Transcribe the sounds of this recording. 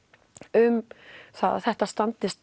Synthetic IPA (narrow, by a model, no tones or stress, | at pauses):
ʏmθaða̰θɛht̪ast̪ant̪ɪst̪